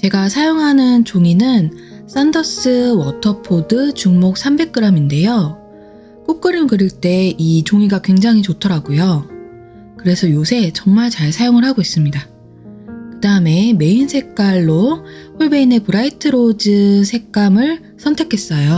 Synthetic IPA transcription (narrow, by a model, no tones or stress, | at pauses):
t͡ɕe̞ɡasʰajoŋɦanɯnt͡ɕoŋinɯns͈andʌs͈ɯwʌtʰʌpʰodɯt͡ɕuŋmok̚s͈ʰambe̞k̚k͈ɯɾaminde̞jo | k͈ok͈ɯɾɯnkɯɾiɭt͈e̞it͡ɕoŋiɡakwe̞ŋd͡ʑaŋɦit͡ɕotʰʌɾaɡujo | kɯɾe̞sʰʌjosʰe̞t͡ɕʌŋmaɭt͡ɕaɭsʰajoŋɯɭhaɡois͈ɯmɲida | kɯdaɯme̞me̞insʰe̞k̚k͈aɭːoɸuɭbe̞ine̞pɯɾaitʰɯɾod͡ʑɯsʰe̞k̚k͈amɯɭ | sʰʌntʰekʰe̞s͈ʌjo